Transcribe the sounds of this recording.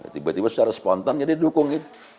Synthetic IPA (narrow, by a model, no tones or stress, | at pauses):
t̪ibat̪ibasə̥t͡ʃaɾasə̥pɔnt̪and͡ʒadidukʊŋit̪u̥